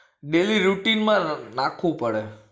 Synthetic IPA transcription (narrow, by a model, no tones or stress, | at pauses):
ɖeliɾuʈinmãnãkʰʋũpəɽe